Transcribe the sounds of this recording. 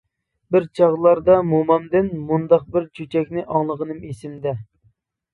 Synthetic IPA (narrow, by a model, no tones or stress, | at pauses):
bɪɾt͡ʃʰɑʁlˠɑɾd̪ɑmumɑmd̪ɪnmund̪ɑq̚bɪɾt͡ʃʰyt͡ʃʰɛkʲnɪʔɑŋlˠəʁənɨmesɪmd̪ɛ